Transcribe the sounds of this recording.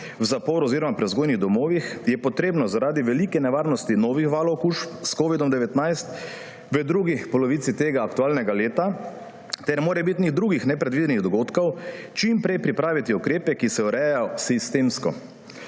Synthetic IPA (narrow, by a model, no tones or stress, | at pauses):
wzapoːɾuɔziɾɔmapɾɛzɡoːjniɣd̪ɔmoːʋixjɛpɔt̪ɾeːbnɔzaɾaːd̪iʋɛlikɛnɛʋaːɾnɔst̪inɔːʋixʋaːlɔkuʃpskoːʋid̪ɔmd̪ɛʋɛt̪najst̪ | ʋəd̪ɾuɡipɔlɔʋiːt̪sit̪eːɡaːkt̪uaːlnɛɡaleːt̪a | t̪ɛɾmoːɾɛbit̪niɣd̪ɾuːɡixnɛpɾɛd̪ʋiːd̪ɛniɣd̪ɔɡoːt̪kɔwt͡ʃimpɾɛjpɾipɾaːʋit̪iukɾeːpɛkisɛɔɾɛjajɔsist̪emskɔ